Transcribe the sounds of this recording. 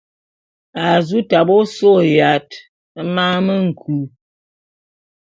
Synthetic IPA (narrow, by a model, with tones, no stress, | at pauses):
a˨zu˦ta˨bɔ˦so˦ja˨t | ma˦mə˦ŋ̩˨kʰu˨˦